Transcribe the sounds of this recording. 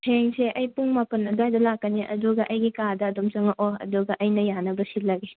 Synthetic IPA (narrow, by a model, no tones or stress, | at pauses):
hʰeŋseʔɐjpuŋmapɐnɐdajdɐlakːɐniʔɐ̰duɡɐʔɐjɡikadɐːdomt͡ʃɐŋɐʔoɐ̰duɡɐʔɐjnɐjanɐbɐsilɐɡe